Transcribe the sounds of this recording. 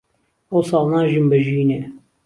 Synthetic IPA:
ɐwsɑːlˠnaːʒimbɐʒiːnɛ

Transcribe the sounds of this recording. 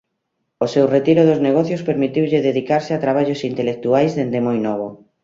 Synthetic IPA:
osewret̪iɾʊðʊzneɣ̞ɔθjospeɾmit̪iwʎɪðeðikaɾsɪat̪ɾaβaʎʊsint̪elek̚t̪uajzðend̪ɪmojnɔβ̞o

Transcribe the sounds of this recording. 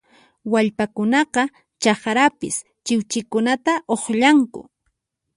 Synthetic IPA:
waʎpakʊnɑqɑ | t͡ʃɑχɾapɪ̰s | t͡ʃɪwt͡ʃɪkʊnat̪aʔoχʎaŋkʊ̰

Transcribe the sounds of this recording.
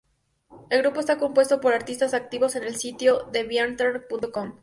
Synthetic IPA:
e̞lɣɾupo̞es̬t̪ako̞mpwe̞st̪o̞po̞ɾaɾt̪ist̪asak̚t̪iβo̞se̞ne̞lsit̪jo̞ðe̞βjant̪eɾpunt̪okom

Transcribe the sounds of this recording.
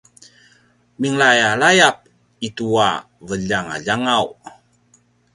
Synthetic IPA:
miŋlajalajap̚ | itua̰ | vəʎaŋa̰ʎaŋaw

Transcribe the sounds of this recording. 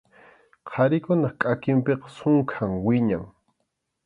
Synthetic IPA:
qʰɑɾɪkʊnɑχkʼakɪmpeqɑ̥sʊŋkʰaŋwɪɲaŋ

